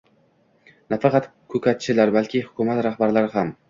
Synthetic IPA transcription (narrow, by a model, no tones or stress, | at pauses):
nafɑqʰɑt̪kʰɵkʲʰat̪t͡ʃʰɪlaɾbalkʲʰɪhʊkʰʊmat̪ɾahbaɾlaɾɪɦam